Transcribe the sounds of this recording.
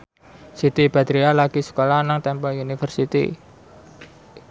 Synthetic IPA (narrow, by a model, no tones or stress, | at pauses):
sit̪ib̥at̪ɾialaɡisə̥kolanaŋt̪ɛmpɔunifərsit̪ḭ